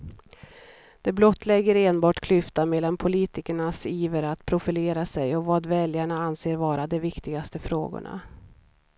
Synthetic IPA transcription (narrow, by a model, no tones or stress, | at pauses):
d̪̥ɛblɔt̪ʰːlɛɡːəɾeːnbɑːʈkʰlʏft̪amɛːlːanpʰʊliːt̪ɪkəɳasiːvəɾat̪pʰɾʊfɪleːɾasɛjɔvɑːd̪vɛljaɳaanseːɾvɑːɾad̪ɛvɪkt̪ɪɡast̪əfɾo̰ːɡʊ̰ɳa̰